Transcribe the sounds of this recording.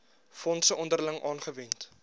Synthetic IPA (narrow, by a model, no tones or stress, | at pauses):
fɔntsəʔɔndərləŋʔɑːnχəvɛnt